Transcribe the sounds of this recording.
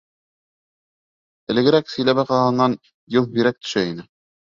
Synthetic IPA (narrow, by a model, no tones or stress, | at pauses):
ɘ̆lɘ̆ɡɘ̆ɾæksɵ̆jlæβɑqɑhɤ̆nːɑn | jɤlˠbiɾæk̚t̪ɵ̥̆ʃæinɘ